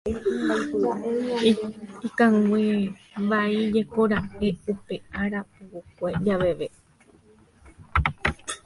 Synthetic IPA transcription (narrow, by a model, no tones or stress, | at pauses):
ikãŋɡʷebaid͡ʒekoɾaʔeupeaɾapuwukʷed͡ʒaʋeʋe